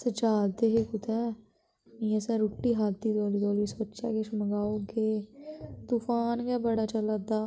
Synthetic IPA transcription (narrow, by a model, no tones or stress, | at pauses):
sət͡ʃaːd̪eɦekʊt̪ʰɛ | niəsɛ̃ɾuʈːiːɦaːt̪d̪iːd̪oːliːd̪oːlisoːt͡ʃa̰ːkeʃməɡaːoɡeːt̪uːfaːnɡaːbəɽaːt͡ʃəlad̪aː